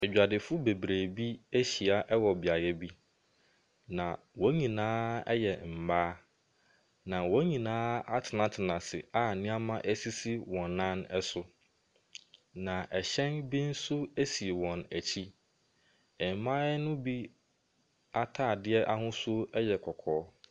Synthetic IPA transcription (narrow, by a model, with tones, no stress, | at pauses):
ɛ˨d͡ʑᶣa˨dɪ˨fʊ˦be˨bɾeː˨bi˦æ˦ɕi˨a˨ʔɛ˦wɔ˨bɪ˨a˨jɛ˦bi˦ | nã˨ | wɔ̃˦ɲĩ˨nãː˦ɛ˦jɛ˨m̩˨baː˦ | nã˨wɔ̃˨˦ɲĩ˨nãː˦a˦tʰɪ˨nã˨tʰɪ˨nã˨sɪ˨a˦nɪ̃˦a˦mã˦ʔæ˦si˦si˦wɔ̃˨nːã˦nɛ˦sʊ˦ | nã˨ʔɛ˨ɕɛ̃˦nbi˦n̩˦sʊ˦æ˦si˨e˨wɔ̃˨næ˨t͡ɕʰi˦ | ɛ˨m˨˦mã˦ɛ˦nʊ̃˦bi˦ | a˦tʰaː˦˨dɪ˦ɛ˦ʔa˦hʊ̃˦sʊ˦ɛ˦jɛ˨kʰɔ˨kʰɔː˨˦